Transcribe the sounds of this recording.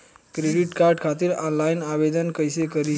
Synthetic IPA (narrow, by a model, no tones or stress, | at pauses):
kɾeɽiʈkaɾɖkʰat̪iɾɔnlajnabed̪ənkəjsekəɾi